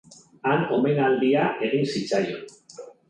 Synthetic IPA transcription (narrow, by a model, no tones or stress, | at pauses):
anomenald̪iaʔe̞ɣinsit͡sajo